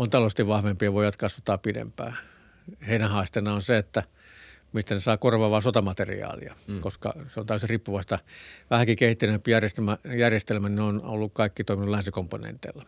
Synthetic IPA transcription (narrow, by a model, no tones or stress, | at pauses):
ont̪ɑlost̪iʋʋɑhʋempiɑʋoˑijʋɑt̪kɑsʋɑt̪ɑːpidḛmpæ̰ː | heinæhɑːst̪enɑonseet̪ːæ | mist̪ænesɑːkorʋɑːʋɑːsot̪ɑmɑt̪erḭɑ̰ːlḭɑ̰koskɑ̰seont̪æyjesiriːpːuʋɑist̪ɑʋæhækikehit̪ːinempijærjest̪emæjærjest̪elmæninono̰lːukkɑikːit̪oˑiminulænsikomponḛnt̪ḛːlːɑ